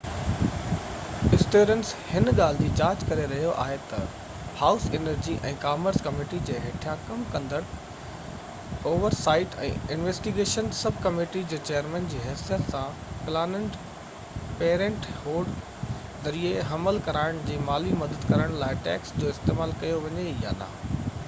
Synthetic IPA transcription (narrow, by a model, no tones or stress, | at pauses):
ɪsʈjoːɾə̃nshɪnɠaːl̤ɪd͡ʑiːt͡ɕaːɾd͡ʑkɐɾeɾɐɦijoʔa̰ːɦet̪ɐ | haːʊsenəɾd͡ʑiʔɛ̰̃ːkaːməɾskɐmeːʈid͡ʑeːɦeːʈʰjãkɐmkɐ̃nd̪əɽ̃ | oːʋəɾsaːɪʈɛ̰̃ːɪnʋeːsʈiɡeːʃənsɐbʱkɐmeːʈid͡ʑeːt͡ɕeːjəɾmɛ̃nd͡ʑiːɦɛːsijət̪sã | plaːnəɳʈ | peːɾə̃ɳʈhoːɖ | zɐɾieɦɐməlkɐɾaːɪɽ̃d͡ʑeːmaːlimɐd̪əd̪kɐɾəɽ̃laːɪʈɛ̰ːksd͡ʑoːɪst̪eːmaːlkɐjoʋɐɲeja̰ːna̰ː